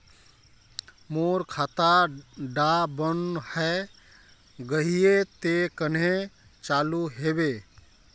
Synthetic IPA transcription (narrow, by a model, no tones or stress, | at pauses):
moɾkʰaːt̪aɖabənhɛ | ɡəɦijet̪ekənɦẽ | t͡ʃaluɦebe